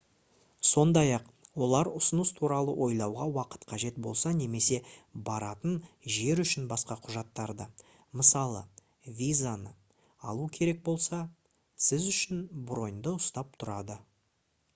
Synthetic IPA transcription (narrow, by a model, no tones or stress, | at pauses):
so̞nd̪ɑjɑq | wo̞lˠɑɾʊsənəst̪ʰuɾɑlˠəwʔo̞jlˠɑwʁɑwɑqə̥t̪qʰɑʒe̞t̪bo̞lˠsɑne̞me̞se̞bɑɾɑt̪ənʒe̞ɾʏʃɪnbɑsqɑqʰʊʒɑt̪ːɑɾd̪ə | məsɑlˠə̰ | vʲijzanə | ɑlˠukʲʰe̞ɾe̞k̚bo̞lˠsɑ | sɪzʏʃɪnbro̞jnd̪əʊst̪ɑp̚t̪ʰʊɾɑd̪ə